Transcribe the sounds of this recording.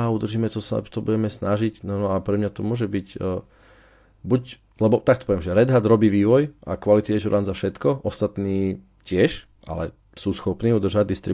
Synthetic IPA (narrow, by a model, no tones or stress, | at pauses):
aud̪r̩ʒiːmɛt̪ɔst̪ɔbuɟɛmɛsnaʒicnanɔapɾɛmɲat̪ɔmʊɔʒɛbicː | buc | lɛbɔt̪akt̪ɔpɔʋɛmʒɛɾɛd̪ɦad̪ɾɔbiːʋiːʋɔjʔa̰kʋalit̪iɛʒuɾʔanzafʃɛt̪kɔʔɔst̪at̪niː | cɪɛʃ | ʔa̰lɛ | suːsxɔpniːud̪r̩ʒaɟd̪ist̪ɾi